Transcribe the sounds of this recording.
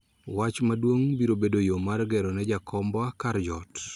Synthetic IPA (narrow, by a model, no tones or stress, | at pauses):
wat͡ʃmadwoŋbiɾobedojomarɡɛɾɔnɛd͡ʒakʰɔmbwakaɾd͡ʒɔt